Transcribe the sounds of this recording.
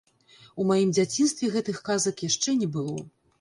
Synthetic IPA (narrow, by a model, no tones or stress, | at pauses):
umajimd͡zʲat͡sʲinst̪vʲɛɣɛt̪ɨxkazɐkjaʂt͡ʂɛnʲɛbɨlˠɔ